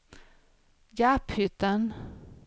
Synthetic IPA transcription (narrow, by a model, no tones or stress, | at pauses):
japhʏt̪ːən